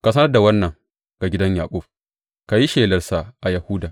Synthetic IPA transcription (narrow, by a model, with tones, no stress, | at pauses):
ka˨sɐ˦nɐ˦rda˨wɐ˦nːɐ˨ŋ | ɡ̥a˨ɡʲɪ˦dɐ˦ɲja̰ː˨kʷʼʊ˦ɸ̚ | ka˨ji˦ʃeː˨lɐ˨rsa˨ʔa˨ja˨hʊ˦daː˨